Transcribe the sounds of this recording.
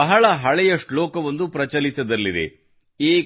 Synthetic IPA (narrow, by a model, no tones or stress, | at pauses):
ɐɦɐɭɐɦɐɭɛjɐʂʈlɔːkɐʋond̪upɾɐt͡ʃɐlit̪ɐd̪ɐlːid̪ḛ | eː